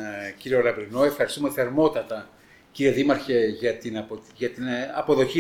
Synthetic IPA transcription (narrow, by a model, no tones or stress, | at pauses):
ciɾio̞lɐvɾinoe̞fxɐɾist̪umeθeɾmo̞t̪ɐt̪ɐ | ciɾieðimɐɾçeʝɐt̪inɐpʝɐt̪inɐpo̞ðo̞çi